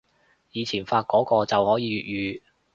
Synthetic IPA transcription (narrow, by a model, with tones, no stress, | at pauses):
jiː˨˧t͡sʰiː˨˩nfaː˧t̚kɔː˨˥kɔː˧t͡sɐ˨whɔː˨˥jiː˨˧ɥyː˨˩t̚jyː˨